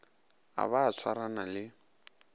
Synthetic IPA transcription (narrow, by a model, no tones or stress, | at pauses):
a̰βaːt͡sʰwaɾanalɪ